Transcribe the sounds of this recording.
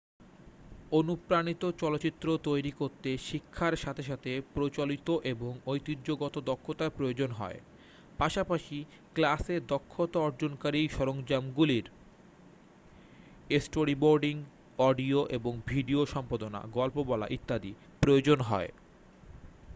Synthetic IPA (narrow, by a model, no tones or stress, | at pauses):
onupɾanit̪ot͡ɕɔloːɕit̪ːɾot̪ojɾikoɾt̪eʃikʰːaɾʃat̪ʰeʃat̪ʰepɾot͡ɕolit̪oʔeboŋojt̪idd͡ʑoɡɔt̪od̪ɔkʰːot̪apɾood͡ʑonɦɔ̰e | paʃapaʃi | klased̪ɔkʰːot̪aɔɾd͡ʑonkaɾiʃɔɾoŋd͡ʑamɡuliɾ | esʈoɾiboɾɖiŋ | ɔɖioʔeboŋbʱiɖioʃɔmpad̪ona̰ɡɔlpobɔla̰ʔit̪ːad̪i | pɾojod͡ʑonɦɔ̰e